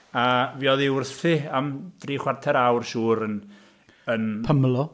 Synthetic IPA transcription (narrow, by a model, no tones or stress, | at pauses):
aviːɔðɪʊrθfɨamd̥riːχwartʰɛɾawrʃuːɾən | ənpʰəmlˠɔ